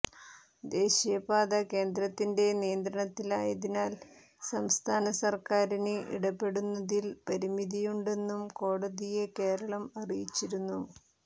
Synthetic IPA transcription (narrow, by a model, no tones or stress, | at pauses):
d̪e̞ːɕijɐbaːðɐke̞ːnd̪ɾɐt̪ːinde̞nijɐnd̪ɾɐɳɐt̪ːilaːjɐðinaːl | sɐmst̪ʰaːnɐsɐrkaːɾinɨʔḭɽɐpːe̞ɽunːɐðilpɐɾimiðijuɳɖe̞nːumko̞ːɽɐðije̞ke̞ːɾɐɭɐmɐrijit͡ɕːiɾunːu